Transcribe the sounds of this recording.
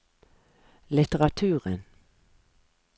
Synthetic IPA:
lɪt̪əʁɑt̪ʰʉːʁən

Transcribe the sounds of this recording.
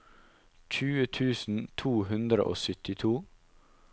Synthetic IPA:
c͡çʉːət̪ʰʉːsn̩t̪ʰuːhʉnd̪ɾə̰ʔo̰ːsʏt̪ɪt̪ʰuː

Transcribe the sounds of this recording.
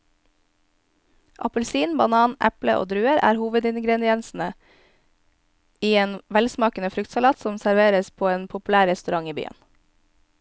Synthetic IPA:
ʔɑ̰pəlsiːnbɑnɑːnʔɛ̰plə̰ʔo̰ːd̪ɾʉːəɾʔæ̰ːɾhuːʋəd̪ɪnɡɾɛnɪɛnsn̩ə | iːeːnʋɛlsmɑːkənəfɾʏkt̪sɑlɑːt̪sɔmsæɾʋeːɾəspʰoːeːnpʰʊpʉlæːɾɛst̪ʉɾɑŋiːby̰ːə̰n

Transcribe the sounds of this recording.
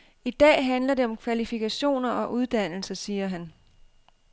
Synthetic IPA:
id̥ɛ̰ːɦænlɐde̝ɒ̽mkʰʋælifikʰæɕo̝̰ːnɐʔɒ̽ʔuð̞ˠd̥æn̰l̩sɐsiːɐɦæn

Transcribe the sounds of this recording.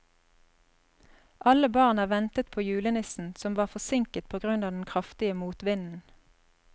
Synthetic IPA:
ʔɑləbɑʁnæːʋɛnt̪ət̪̚pʰoːjʉːlənɪsn̩sɔmʋɑːʁfɔsɪŋkət̪̚pʰoːɡʁʉnɑːd̪n̩kʰʁɑft̪ɪəmuːt̪ʋɪnn̩

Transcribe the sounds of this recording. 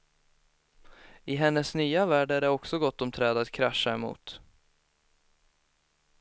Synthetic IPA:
ɪɦɛnːəsnyːavæːɖæɖɛɔksɔɡɔt̪ːɔmt̪ʰɾɛːd̪at̪kʰɾaʂːamṵːt̪

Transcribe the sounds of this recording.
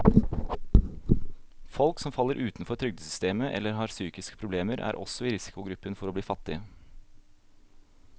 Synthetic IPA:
fɔlksɔmfɑlːəɾʔʉːt̪n̩fɔɾt̪ʰɾʏɡ̚d̪əsʏst̪eːməʔɛ̰lːəɾɦɑːɾsyːkɪskə̥pʰɾʊbleːməɾʔæ̰ːɾʔɔ̰sɔiːɾɪsɪ̥kʊɡɾʉpːənfɔɾoːbliːfɑt̪ːɪə

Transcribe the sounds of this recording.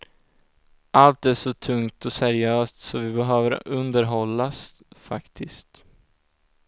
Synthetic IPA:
ʔalt̪æʂɔt̪ʰɵŋt̪ʰɔsæɾɪøːst̪sɔvɪbɛɦøːvəɾɵnd̪əɾɦɔlːas | fa̰kt̪ʰɪst̪

